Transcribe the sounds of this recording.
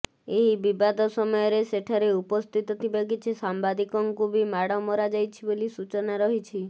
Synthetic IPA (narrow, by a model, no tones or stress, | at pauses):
eɦibibad̪ɔsɔmɔjɔɾeseʈʰaɾeupɔst̪ʰit̪ɔt̪ʰibak̬it͡ʃʰesambad̪ikɔŋkubimaɽɔmɔɾad͡ʒajt͡ʃʰibolisut͡ʃɔnaɾɔɦit͡ʃʰi